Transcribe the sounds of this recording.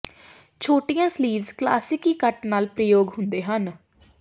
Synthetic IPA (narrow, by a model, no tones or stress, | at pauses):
t͡ʃʰoːʈɪjãːsliːʋzkla̰ːsɪkiːkəʈnaːlpɾəjoːɡɦʊnd̪eːɦən